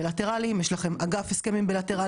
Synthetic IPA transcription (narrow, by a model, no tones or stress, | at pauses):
elate̞ʁalimjeʃlaχe̞maɡafeskemimbelate̞ʁa